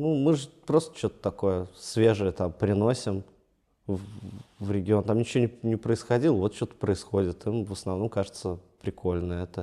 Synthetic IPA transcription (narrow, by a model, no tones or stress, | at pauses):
numɨʐɨpɾo̞st̪ə̥t͡ɕo̞t̪ə̥t̪ɐko̞jəsvʲe̞ʐɨjət̪ampɾʲɪno̞sʲɪm | vvɾʲɪɡʲɪo̞nt̪amnʲɪt͡ɕɪvonʲɪnʲɪpɾəɪsxɐdʲilˠəvo̞t̪̚t͡ɕːot̪ə̥pɾəɪsxo̞dʲɪt̪imvəsnɐvno̞mkaʐɨt̪səpɾʲɪkʰo̞lʲnəɛt̪ə